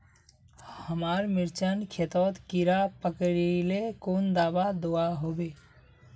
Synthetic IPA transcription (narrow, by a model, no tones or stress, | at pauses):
həmaɾmiɾt͡ʃənkʰet̪ɔt̪kiɾapəkəɾilekond̪aːbad̪oaɦobe